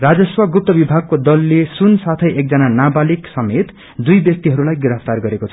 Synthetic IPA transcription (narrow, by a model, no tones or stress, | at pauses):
rad͡zʌswʌɡup̚t̪ʌbibʱaɡ̚kod̪ʌlːesunsat̪ʰʌjek̚d͡zʌnanabaliksʌmet̪ | d̪ujbjʌk̚t̪iɦʌɾulajɡɾʌpʰt̪arɡʌɾekot͡sʰʌ